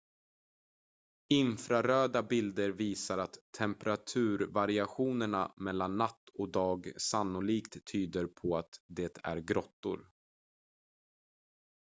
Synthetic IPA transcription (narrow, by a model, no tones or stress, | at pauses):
ɪnfɾaɾøːd̪abɪld̪əɾviːsaɾat̪ʰːɛmpɾat̪ʰʉ̟ːɾvaɾɪaɧuːnəɳamɛlːanːat̪ːɔd̪ɑːɡsanːʊliːkt̪ʰːyːd̪əɾpʰɔat̪d̪eːt̪ʰæ̰ɾɡɾɔt̪ːʊ̰ɾ